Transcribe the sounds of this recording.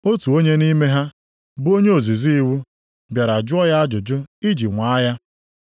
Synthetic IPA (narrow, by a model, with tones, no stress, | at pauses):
o˦tu˨o˦ɲe˦ni˦me˦ɦa˦ | bo˦ɲe˦o˨zi˨zi˦i˦wu˦ | bja˨ɾa˨d͡ʒʊ˦ɔ˦ja˦a˦d͡ʒʊ˨d͡ʒʊ˦i˦d͡ʒi˨ŋʷa˨˦a˦ja˦